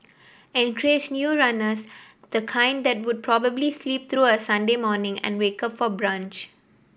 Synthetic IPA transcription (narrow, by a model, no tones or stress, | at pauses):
ɛ̃nkɾed͡ʒnjuːɾʌnəs | d̪̥əkʰãɪ̃nɖd̪ɛʈ̚wʊɖ̚pʰɾɔbəblisliːp̚t̪ʰɾuːəsʌ̃nɖemɔːnɪ̃ŋɛ̰̃nweːkʌpfɔbɾãːnt͡ʃ